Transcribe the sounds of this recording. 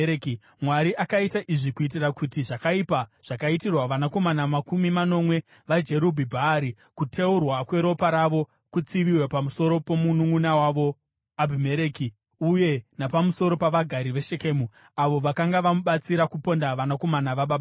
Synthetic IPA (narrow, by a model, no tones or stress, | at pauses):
k | mwaɾiʔakaitaʔiʐikuit̬irakutiʐakaipaʐ̥akaitirwaʋanako̞manamakumimano̞mwe̞ | ʋad͡ʒe̞ɾubʱibʱaːɾi | kutʰe̞urwakwe̞ɾo̞paɾaʋo̞ | kut͡siʋiwepamuso̞ɾo̞po̞munuŋunawaʋo̞ | abʱimeɾeki | uje̞napamuso̞ɾo̞paʋaɡʱaɾiʋe̞ʃe̞ke̞ːmu | aʋo̞ʋakaŋɡaʋamuɓat͡siɾakupo̞ndaʋanako̞manaʋaɓaɓa